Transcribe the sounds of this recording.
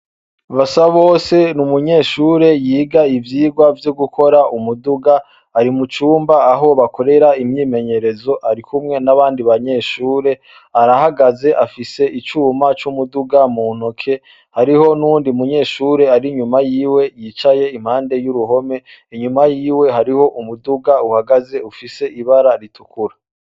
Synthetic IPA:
βasaβo̞ːse̞numuɲe̞ʃuːɾe̞jiːɡaivjiːɡwavjoɡukʰo̞ɾaʔumuduɡa | aɾimut͡ʃuːmbaːɦo̞βako̞ɾe̞ɾaimɲiːme̞ɲe̞ɾe̞zo̞ʔaɾikʰumŋe̞naβaːndiβaɲe̞ʃuːɾe̞ | aɾahaɡaze̞ʔafise̞ʔit͡ʃuːmat͡ʃumuduɡamuːn̥okʰe̞ | haɾiho̞nuːndiumuɲe̞ːʃuːɾe̞aɾiɲumajiːwe̞jit͡ʃaje̞im̥haːnde̞juɾuɦo̞me̞ | iɲumajiːwe̞ɦaɾiho̞ʔumuduɡauhaɡaze̞ufise̞ʔiβaɾaɾitʰukuɾa

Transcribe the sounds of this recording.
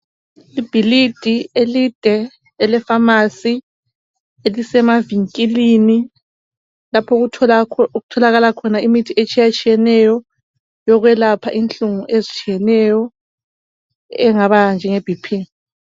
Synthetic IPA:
lib̥ʱilid̥ʱielid̥ʱɛː | lɛfamasi | elisɛmaviŋkʼilini | lapʰɔ | ɣutʰɔlaɣalakʰɔnaimitʰiʔet͡ʃʼijat͡ʃʼijɛnɛjɔ | jɔɣwɛlapʰa̰ʔint͡ɬʼuŋuʔezit͡ʃʰʼijɛnɛjɔ | ɛŋaβand͡ʒʱɛŋeb̥ʱipʰiŋ

